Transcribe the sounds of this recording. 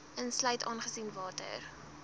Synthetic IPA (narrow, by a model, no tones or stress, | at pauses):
ənslœɥtɑːnχəsinvɑːtə̰r